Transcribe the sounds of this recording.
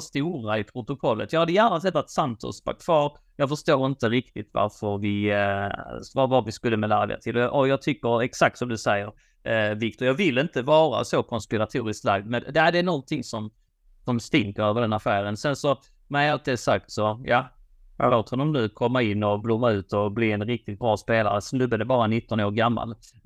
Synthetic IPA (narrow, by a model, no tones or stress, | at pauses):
st̪uːɾaɪpʰɾʊt̪ʊkʰɔlːə̰t̪jɑɡhad̪ːəjæːnasɛt̪ːat̪sant̪ʰɔ̰spa̰k̚t̪fɑːɾ | jɑːɡfœʂt̪oːɾɪnt̪əɾɪk̚t̪ɪt̪va̰ɾfəɾvɪ | vavaɾvɪskɵlːəmɛlæːɾd̪ɛ̰t̪ʰɪlɔʔɔjɑːɡ̚t̪ʰʏkːəɾɛksak̚t̪sɔmd̪ɵsɛjːəɾ | vɪk̚t̪ʊɾjɑːɡvɪlːɪnt̪əvɑːɾa̰sokʰɔnspɪɾat̪ʰuːɾɪsk̪la̰ɡd̪mɛnd̪æd̪ɛːnɔnt̪ʰɪŋsɔm | sɔmst̪ɪŋkəɾøːvəɖɛnafæːɾənsɛnsɔ | mɛalt̪̚d̪ɛsak̚t̪sɔja̰ | a̰loːt̪hɔnɔmnʉkʰɔmːaɪnːɔblumːaʉ̟ːt̪ɔbliɛnɾɪk̚t̪ɪt̪̚bɾɑːspeːla̰ɾəsɛnɵbːəd̪ɛbɑːɾanɪt̪ːɔnoːɾɡamːa̰l